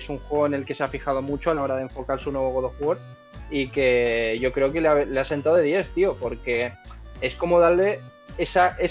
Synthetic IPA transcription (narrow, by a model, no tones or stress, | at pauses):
suŋxwe̞ɣ̞oene̞lke̞seafixað̞omut͡ʃoalao̞ɾaðe̞ɱfo̞kaɾsunwe̞β̞o̞ɣoðofwo̞ɾ | ike̞ʝo̞kɾe̞oke̞leaβlease̞nt̪awðe̞ðje̞θt̪io̞po̞ɾke̞e̞sko̞mo̞ðaɾle̞ | esaʔe